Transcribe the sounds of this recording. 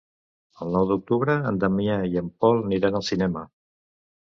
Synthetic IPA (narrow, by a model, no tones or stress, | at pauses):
əlˠnɔwðuk̚t̪uβɾəːnd̪əmiaiəmpɔlˠniɾanəlˠsinɛmə